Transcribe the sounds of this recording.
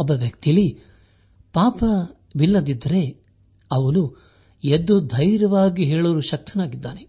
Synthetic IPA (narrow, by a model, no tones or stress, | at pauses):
ɔbːɐʋjɐkt̪ijɐli | paːpɐ | bilːɐd̪id̪ːɐɾe̞ | ɐʋɐnu | ed̪ːud̪ʱɐjɾɐʋaːɡiɦeːɭɐɾuʃɐk̚t̪ʰɐnaːɡid̪ːaːne